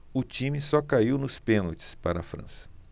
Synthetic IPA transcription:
ʊt͡ʃĩmɪsɔkaiwnʊspẽnowt͡ʃɪ̥spaɾɐ̰fɾɐ̰̃sɐ̥

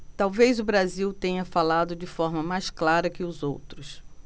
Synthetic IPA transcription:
t̪awvejzʊbɾaziwt̪ẽɲɐfalad̪ʊd͡ʒɪfɔɾmɐmajsklaɾɐkɪʊzo̰wt̪ɾʊs

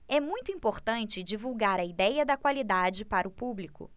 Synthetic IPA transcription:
ɛmũj̃t̪ʊĩpoɾt̪ɐ̃nt͡ʃɪd͡ʒivuwɡaɾɐid̪ɛjɐd̪ɐkwalid̪ad͡ʒɪpaɾɐʊpublikʊ̰

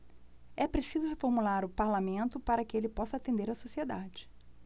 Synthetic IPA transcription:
ɛpɾesizʊhefoɾmulaɾʊpaɾlamẽnt̪ʊpaɾɐkɪelɪpɔsɐat̪ẽnd̪eɾɐsosied̪ad͡ʒɪ̥

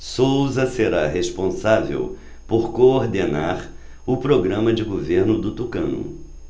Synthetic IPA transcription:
sowzɐseɾaɦespõsavḛw | poɾkooɾd̪enaɾ | ʊpɾoɡɾɐ̃mɐd͡ʒɪɡoveɾnʊd̪ʊt̪ukɐ̰̃nʊ̰

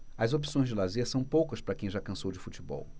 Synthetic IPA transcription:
ɐzop̬i̥sõj̃zd͡ʒɪlazeɾsɐ̃w̃powkɐspɾɐkẽj̃ʒakɐ̃sowd͡ʒɪfut͡ʃibɔ̰w

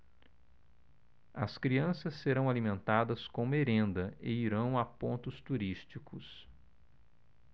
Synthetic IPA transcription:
ɐskɾiɐ̃sɐsːeɾɐ̃w̃alimẽnt̪ad̪ɐskõmeɾẽnd̪ɐɪiɾɐ̃w̃apõnt̪ʊst̪uɾist͡ʃikʰʊs

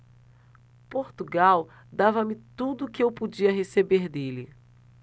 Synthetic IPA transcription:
poɾt̪uɡaw | d̪avɐmɪt̪ud̪ʊkɪewpod͡ʒiɐɦesebeɾd̪elɪ

